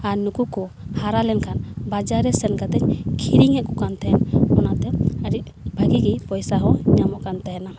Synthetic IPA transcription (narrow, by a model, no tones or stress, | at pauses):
anukukɔ | haɾalɛnkʰanbad͡ʒaɾɛsɛnkad̪ɛɲkʰiɾiŋɛʔkɔkant̪ʰɛnɔnat̪ɛəɾiʔ̚ | bʱaɡiɡipɔjsaɦɔɲamɔʔkant̪ajɛna